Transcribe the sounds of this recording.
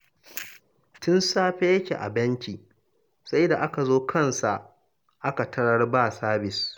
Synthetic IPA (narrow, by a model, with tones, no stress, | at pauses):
tʊ˦nsaː˦ɸeː˦jɐ˦kʲḛː˨ʔa̰˨bɐ˦ŋkʲiː˨ | sa˦jda˨ʔa˦ka˨zoː˦kʰɐ˦nsa˨ʔ | ʔa˦ka˨tʰɐ˦ɽɐ˦rbaː˦˨saː˦bɪ˨s